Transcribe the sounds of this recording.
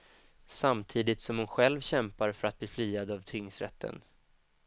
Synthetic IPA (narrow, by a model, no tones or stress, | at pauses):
samt̪ʰiːd̪ɪt̪sɔmhʊnɧɛlvɕɛmpaɾfœɾat̪̚bliːfliːad̪avt̪ʰʏŋsɾɛ̰t̪ʰːə̰n